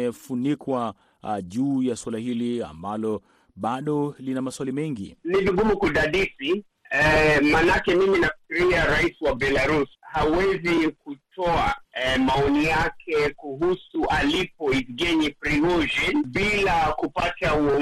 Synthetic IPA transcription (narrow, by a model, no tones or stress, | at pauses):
ɛfunikwa | ʄuːjaswalahilia̰mbalɔ | ɓaɗɔlinamaswalimɛŋɡḭniviɡumukuɗaɗisi | ɛmanakɛmiminafi̥kiɾiaɾaisiwabɛlaɾushawɛzikutɔamaɔnijakʰɛkuɦusuʔalipɔisɡɛɲipɾiɡɔʒɛnɓilakupatauɔ